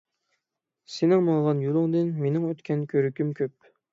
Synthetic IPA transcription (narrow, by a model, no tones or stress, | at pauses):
senɪŋmɑŋˠʁɑnjolˠɨŋd̪ɨnmenɪŋøt̪kʲʰɛnkʲʰøɾykʲymkʲʰøp̚